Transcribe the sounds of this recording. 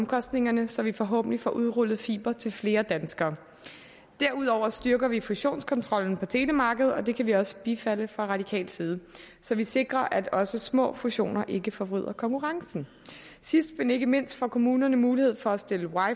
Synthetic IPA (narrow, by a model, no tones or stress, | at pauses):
mkʰɒ̽sd̥ne̝ŋɐnəsɒ̽ʋifɒ̽ɦɔ̰̽ːb̥n̩lifɒʔuðˠʁulð̩ˠfḭːb̥ɐt͡sʰe̝lfle̝ːɐd̥ænsɡ̥ɐː | d̥æɐ̰uð̞̰ˠɒʊ̰ɐsd̥ɶɐɡ̥ɐʋifuɕo̝̰ːnskʰɒ̽nt͡sʰʁɒ̽l̰n̩pʰɒ̽t͡sʰe̝ːnəmɑ̈ːɡ̥əð̞̩ˠɒ̽d̥e̝kʰæʋiɒ̽sə̥b̥ifæl̰əfʁɑ̈ʁɑ̈d̥ikʰɛ̰ːl̥siːð̞ˠə | sɒ̽ʋise̝ɡ̥ʁɐʔæd̥ɒ̽səsmɔ̰̽ːfuɕo̝̰ːnɐʔe̝ɡ̥əfɒ̽ʋoʁið̰ˠɐkʰɒ̽ŋkʰuʁɑ̈ŋsn̩ | sisd̥mene̝ɡ̥əme̝n̰sd̥fɒ̽kʰo̝muːnɐnəmuːlihe̝ð̞̰ˠfɒ̽æsd̥e̝ləwɑɪ